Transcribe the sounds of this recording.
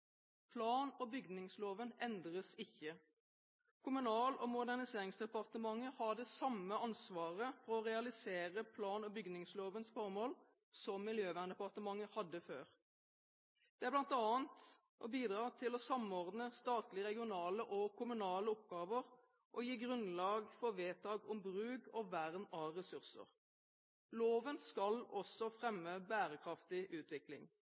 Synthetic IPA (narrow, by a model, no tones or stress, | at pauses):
pʰlɑːnɔbʏɡnɪŋsloːʋənɛnd̪ʁəsɪçːə | kʰʊmʉnɑːlɔmʊd̪æʁnɪseːʁɪŋsd̪ɛpɑʁt̪əmɑŋːəhɑd̪ɛsɑmːəɑnsʋɑːʁəfɔɾɔʁɛɑlɪseːʁəpʰlɑːnɔbʏɡnɪŋsloːʋənsfɔʁmoːl | sɔmːɪljøːʋæʁnd̪ɛpɑʁt̪əmɑŋːəhɑd̪ːəfø̰ːʁ | d̪̥ɛæblɑnt̪ɑːənt̪ | ʔɔbiːd̪ʁɑːt̪ʰɪlɔsɑmɔʁd̪nəst̪ɑːt̪lɪʁɛɡɪʊnɑːləʔɔkʰʊmʉnɑːləɔp̚ɡɑːʋəʁ | ʔɔjiːɡʁʉnlɑːɡfɔʋeːt̪ʰɑːɡɔmbʁʉːɡɔʋæʁnɑʁɛsʉʁsə̰ʁ | loːʋənskɑlɔsɔfʁɛmːəbæːʁəkʰʁɑft̪ɪʔʉːt̪ʋɪklɪ̰ŋ